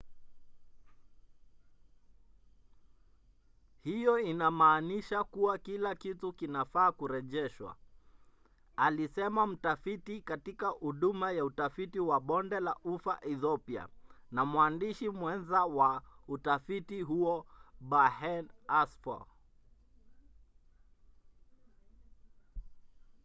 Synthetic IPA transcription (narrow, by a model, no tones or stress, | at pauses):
hijɔinamaːniʃakuwakilakitukinafaːkuɾɛʄɛʃwa̰ | alisɛmam̩tafitikatikahuɗumajautafitiwaɓɔndɛlaʔufaʔiθɔpia̰namwandiʃimwɛnzawautafitiɦuɔɓahɛnasfa̰